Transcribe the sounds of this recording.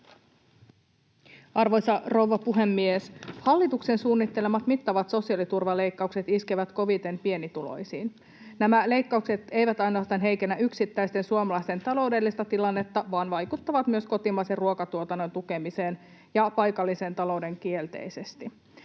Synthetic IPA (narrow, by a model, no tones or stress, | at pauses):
ɑrʋo̞jsɑroʋɑpuɦe̞mːieshɑlːit̪uksensuːnːit̪ːe̞lemɑt̪mit̪ːɑʋɑt̪so̞siɑlit̪urʋɑle̞jkːɑukse̞t̪iskeʋæt̪ko̞ʋit̪e̞mpie̞nit̪ulo̞̰jsiːn | næmæle̞jkːɑukse̞t̪e̞jʋæt̪ɑjnoɑːst̪ɑnɦe̞jkenːæʔyksit̪ːæjst̪e̞nsuomɑlɑist̪e̞nt̪ɑlo̞wde̞lːist̪ɑt̪ilɑnːe̞t̪ːɑʋɑːnʋɑjkut̪ːɑʋɑt̪myøsko̞t̪imɑjserruokɑt̪uot̪ɑnːo̞nt̪uke̞mise̞ːn | jɑpɑjkɑlːise̞nt̪ɑlo̞wde̞ŋk̟ie̞lt̪e̞̰jse̞st̪i